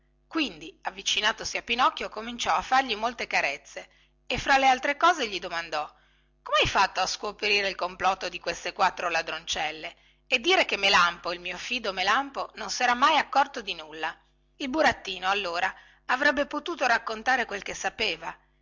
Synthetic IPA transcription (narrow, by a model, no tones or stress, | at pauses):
kwind̪iavːit͡ʃinaːt̪osiapːinɔkːjokomint͡ʃɔafːarʎimolt̪ekaɾet̪sːe | efːɾalːealt̪ɾekɔːzeʎid̪omand̪ɔ | komeajfat̪ːoaskopeɾiːɾeilkomplɔt̪ːod̪ikwest̪ekwat̪ːɾolad̪ɾont͡ʃɛlːe | ed̪ːiːɾekemːelampoilmiːofiːd̪omelampononsɛːɾamajakːɔrt̪od̪inulːa | ilbuɾat̪ːiːnoalːoːɾa | avɾɛbːepot̪uːt̪oɾakːont̪aːɾekwelkesːapeːva